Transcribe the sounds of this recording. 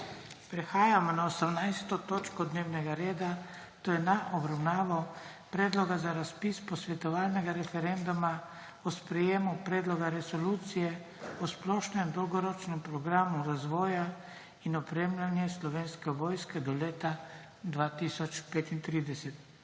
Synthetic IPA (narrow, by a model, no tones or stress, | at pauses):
pɾɛxaːjamɔnaosamnajst̪ɔt̪oːt͡ʃkɔd̪neːwnɛɡaɾeːd̪a | t̪ojɛnaʔɔbɾawnaːʋɔ | pɾɛːd̪lɔɡazaɾaspiːspɔsʋɛt̪ɔʋaːlnɛɡaɾɛfɛɾɛnd̪uma | ɔspɾɛjeːmupɾɛːd̪lɔɡaɾɛsɔluːt̪sijɛ | ɔsplɔʃnɛmd̪ɔwɡɔɾɔt͡ʃnɛmpɾɔɡɾamuɾazʋɔːja | inɔpɾeːmlanjɛslɔʋeːnskɛʋɔːjskɛd̪ɔleːt̪a | d̪ʋaːt̪isɔt͡ʃpeːt̪int̪ɾiːd̪ɛsɛt̪